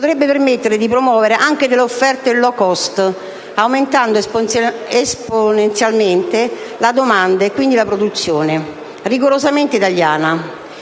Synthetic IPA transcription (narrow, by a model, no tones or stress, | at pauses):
pot̪ɾɛbːepermet̪ːeɾed̪ipɾomuwɔːveɾeʔaŋk̟ed̪elːofːɛrt̪ailːɔkɔst̪ | awment̪and̪o | esponent̪sjalment̪e | lad̪omand̪aekːwind̪ilapɾod̪ut̪sːjoːne | riɡoɾozament̪eit̪aljaːna